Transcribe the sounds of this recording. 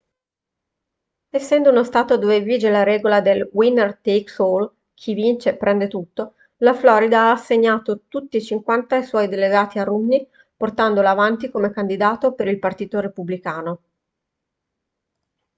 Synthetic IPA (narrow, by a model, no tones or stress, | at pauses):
esːɛnd̪ounost̪aːt̪od̪oveviːd͡ʒelaɾɛːɡolad̪elwinːert̪eksol | kʰivint͡ʃepɾʔɛnd̪et̪ut̪ːo | laflɔːɾid̪aaːsːeɲːaːt̪ot̪ut̪ːiːt͡ʃiŋkwant̪aeswɔjd̪eleɡaːt̪iarumni | port̪and̪olaːvant̪ikomekand̪id̪aːt̪opeɾilpart̪iːt̪oɾepublikaːno